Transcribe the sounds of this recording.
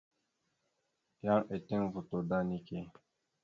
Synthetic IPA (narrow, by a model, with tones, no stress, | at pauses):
jã˦ŋʔe˨tẽ˦ŋvu˨to˨da˦ni˦ke˦˨